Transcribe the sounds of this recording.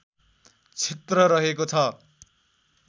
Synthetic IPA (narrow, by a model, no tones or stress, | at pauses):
t͡sʰet̪rʌɾʌɦekot͡sʰʌ